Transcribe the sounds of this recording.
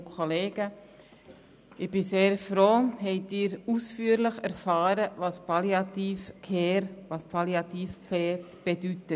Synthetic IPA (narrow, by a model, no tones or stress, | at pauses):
kʰoleːɡ̥ə | ɪb̥ɪseːɾfɾoːhɛɪtɪːɾusfyːəɾləχæɾfɑːɾəʋɑspɑliɑt̪iːfkʰeːɾʋɑspʰɑliɑt̪iːfkeːɾb̥ɛd̥ytə